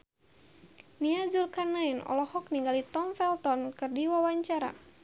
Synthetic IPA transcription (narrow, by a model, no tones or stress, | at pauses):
niad͡ʒulkanainɔ̰lɔhɔk̚niŋɡalit̪ɔmfɛlt̪ɔnkɨrdiwawaɲt͡ʃaɾa̰